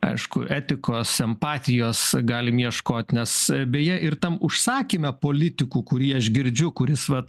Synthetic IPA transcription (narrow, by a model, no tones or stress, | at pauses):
ɐ̰ɪʃkʊ̰ʔæːt̪ʲɪkoːsɛmpɑːt̪ʲɪjoːsɡɑːlʲɪmjɛʃkoːt̪ʲnʲɛsbʲeːjɛʔɪrt̪ɐmʊʃsɑːkʲɪmʲɛpoːlʲɪt̪ʲɪkuːkʊɾʲiːɐʃɡʲɪɾʲd͡ʒʲʊkʊɾʲɪsʋɐ